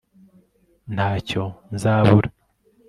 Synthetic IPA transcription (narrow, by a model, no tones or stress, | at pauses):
n̥aːco̞nzaːβuɾa